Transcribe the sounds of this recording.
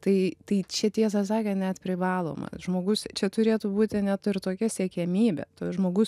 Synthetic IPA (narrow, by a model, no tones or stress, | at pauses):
t̪ɐɪt̪ɐɪt͡ʃʲɛt̪ʲiɛs̬ɐsɑːkʲɛnʲɛt̪pʲɾʲɪʋɑːlˠo̰ːmɐ̰ʒmoːɡʊst͡ʃʲɛt̪ʊɾʲeːt̪uːbuːt̪ʲɪnʲɛt̪ɪrt̪oːkʲɛsʲɛkʲɛmʲiːbʲɛ̰t̪oːʒmoːɡʊs